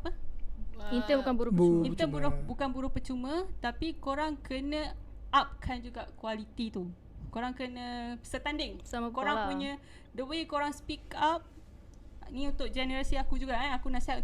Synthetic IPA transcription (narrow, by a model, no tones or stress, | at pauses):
apə | int̪əbukanbuɾʊint̪əmbuɾʊhbukanbuɾʊhpət͡ʃumə̃t̪apikoɾaŋkənə̃ | ap̚kʰand͡ʒuɡaʔkualit̪it̪u | koɾaŋkənəsət̪andɪŋsakoɾaŋpuɲə̃ | dəbəikoɾaŋspikap̚ | nĩunt̪ʊʔ̚d͡ʒɛnəɾasiakud͡ʒuɡaʔanakunaʔsiɦat̪un